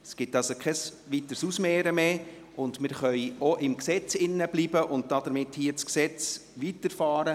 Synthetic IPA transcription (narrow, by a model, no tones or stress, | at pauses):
sɡ̥ɪtɑlsokʰɛs | ʋitəɾsusmeːɾəmeː | ʊndmɪɾχœʏoʔɪmksɛt͡sɪnːəbliːbəʔʊnt̚d̥ɑd̥əɾmɪthiːət͡sksɛt͡sʋitəɾfɑːɾə